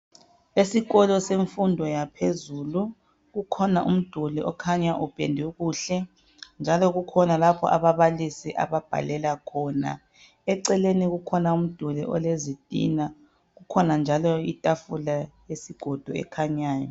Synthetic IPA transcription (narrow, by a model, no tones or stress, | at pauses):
esiɣɔlɔseɱfundʱɔjapʰezulu | ɣukʰɔnaʔṵm̩d̥ʱulɛʔɔkʰaɲaʔupʼḛndʱuɣuːɬɛ | nd͡ʒʱalɔɣukʰɔnalapʰɔ̰ʔaβaβalisiʔa̰βab̥ʱa̰lɛlakʰɔna̰ | ɛǀɛleniɣukʰɔnaum̩d̥ʱulɛʔɔlezitʼḭna | ɣukʰɔnand͡ʒʱalɔitʼafulajesiɡ̥ʱɔd̥ʱuɛ̰kʰaɲaːjɔ̰